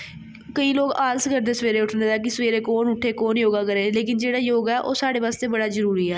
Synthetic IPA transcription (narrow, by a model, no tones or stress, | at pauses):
kəĩːloːɡaːlskəɾd̪eːsəʋeːɾeːʊʈʰneːd̪aːkɪsəʋeːɾeːkoːnʊʈʰːeːkoːnjoːɡaːkəɾeːleːkɪnd͡ʒeːɽaːjoːɡɛːʔo̰ːsaːɽeːʋaːst̪eːbəɽaːzəɾuːɾiːɛː